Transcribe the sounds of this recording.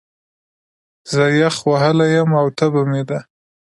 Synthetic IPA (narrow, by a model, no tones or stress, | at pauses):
zəjaxwaɦəlajamawt̪abamed̪a